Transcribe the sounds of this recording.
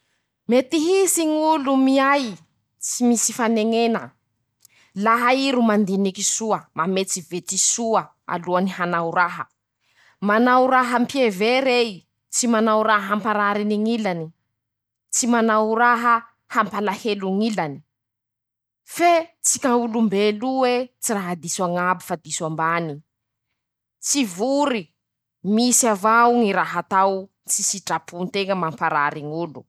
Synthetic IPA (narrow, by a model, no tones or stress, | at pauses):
met̪iɦisiŋulumiaj | t͡simisifaneŋenə | laɦaiɾumand̪inikisuəmamet͡sivet͡sisuə | a̰luanihanauɾaɦə̰ | manauɾaɦəmpjeveɾej | t͡simanawɾaɦəɦampaɾaɾiniŋilani | t͡simanawɾaɦə | hampalaheluŋilani̥ | fet͡sikʲaulumbeluwet͡siraɦad̪isaŋabifad̪iswambani | t͡sivuɾi | misavawŋiɾaɦat̪aw | t͡sisiʈ͡ʂapunt̪eŋəmampaɾa̰ɾiŋulṵ